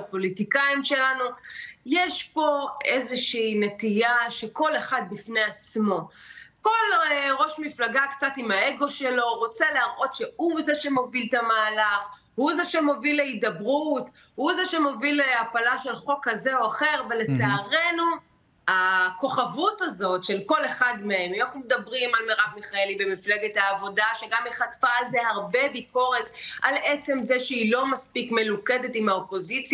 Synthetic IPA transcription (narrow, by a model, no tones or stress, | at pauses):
po̞litikaimʃe̞lanujeʃpo̞ezeʃiːne̞tijaʃeko̞leχad̚bifneat͡smo̞ko̞lʁo̞ʃmiflaɡakt͡satimae̞ɡo̞ʃelo̞ʁo̞t͡seleaʁʔo̞tʃe̞huzeʃe̞mo̞viltamaːlaχ | huzeʃemo̞vileidabʁut | huzeʃemo̞vileapalaʃelχo̞khazeo̞aχe̞ʁvele̞t͡saaʁe̞nu | ako̞χavutazo̞tʃe̞lko̞le̞χadmeemanaχnumed̪ɐbʁimalmeʁakmiχaelibe̞mifleɡethaːvo̞daʃeɡameχat̪faːlzehaʁbe̞biko̞ʁetʔalet͡se̞mzeʃeilo̞maspikme̞lukedetimaopo̞zit͡sj